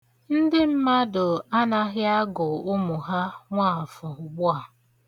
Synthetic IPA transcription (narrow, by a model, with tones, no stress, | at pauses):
n̩˦dɪ˦m̩˦ma˦dʊ˨a˦na˦ɦɪ˦a˦ɡʊ˨ʊ˦mu˨ɦa˦ŋʷaː˦˨fɔ˨ʊ˨ɡ͡bʊ˦a˨